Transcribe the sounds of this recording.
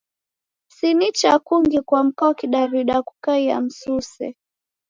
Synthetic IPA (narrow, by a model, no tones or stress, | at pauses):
sinit͡ʃakuŋɡikwam̩kɔkiɗaɾuiɗaku̥kaija̰m̩susɛ̰